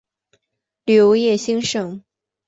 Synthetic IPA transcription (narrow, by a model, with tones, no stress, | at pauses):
ljo˧˥ʊjɛ˥˩ɕi˥ŋʂɤ˨˩˦ŋ